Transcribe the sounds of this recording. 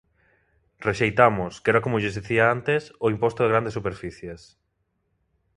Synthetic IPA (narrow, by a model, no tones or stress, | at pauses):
reʃejt̪amʊskɛɾakomʊʎezðiθiaant̪esoimpost̪oðeɣɾand̪esupeɾfiθjes